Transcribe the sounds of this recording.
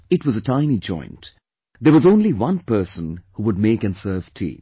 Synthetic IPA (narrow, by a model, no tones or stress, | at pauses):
ɪtwʌzətʰãɪ̃nid͡ʒɔ̰̃ɪ̃nt | d̪əwʌzõʊ̃nliwʌ̃npɜ˞sə̃nhuwʊd̚meɪkɨ̃nsɜːv̥tʰḭː